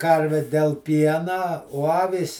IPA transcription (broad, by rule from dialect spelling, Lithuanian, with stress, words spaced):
ˈkɐrʲʋʲɪ dʲɛlˠ ˈpʲiɛnɐ oː ˈɑːʋʲiːs